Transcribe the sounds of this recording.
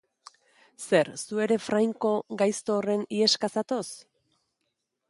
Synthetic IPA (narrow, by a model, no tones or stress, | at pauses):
se̞ɾsue̞ɾe̞fɾajŋko̞ɡajst̪o̞ːre̞nie̞skasat̪o̞s